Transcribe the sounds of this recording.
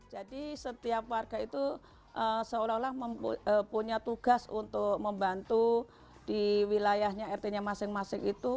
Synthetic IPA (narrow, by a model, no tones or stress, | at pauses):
d͡ʒadisət̪iap̚warɡ̥ait̪u | ʔəsəolalahməməpuɲat̪uɡ̥asṵnt̪ʊk̚məmbant̪u | d̥iwilajahɲaɛrt̪eɲamasɪŋmasɪŋit̪u